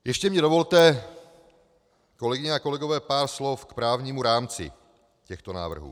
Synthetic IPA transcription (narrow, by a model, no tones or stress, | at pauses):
jɛʃcɛmɲɛdovo̞lt̪ɛ | ko̞lɛɡɪɲɛako̞lɛɡo̞vɛːpaːɾslo̞fkpɾaːvɲiːmuɾaːmt͡sɪ̰ | cɛxt̪ona̰ːvr̩ɦṵː